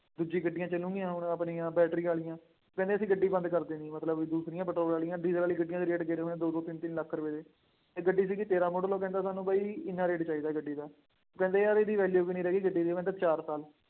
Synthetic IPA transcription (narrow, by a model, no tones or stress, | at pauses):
d̪ud͡ʒiːɡəɖːɪjãːt͡ʃəlũːɡijãːʊnːəpniːãːbɛːʈɾiːaːlɪjãː | okɛ̃ːnd̪eːəsĩːɡəɖːiːbə̃nd̪kəɾd̪ẽːimət̪ləbd̪uːsɾɪjãːpəʈɾoːlaːlijãːɖiːzəlaːliːɡəɖɪːjãːd̪iːɾeːʈɡeːɾeːɦoːẽːd̪oːd̪oːt̪ɪnt̪ɪnləkʰːɾʊʋeːd̪eː | t̪eːɡəɖːiːs̬iːkɪt̪eːɾaːmoːɖloːkɛ̃ːnd̪aːsaːnːũːbaːiːɪnːãːɾeːʈt͡ʃaːiːd̪aːɡəɖːiːd̪aː | oːkɛ̃ːnd̪eːaːɾeːd̪iːʋɛːljuːkiːnĩːɾɛːɡiːɡəɖiːd̪eːokɛ̃nd̪et͡ʃaːɾsaːl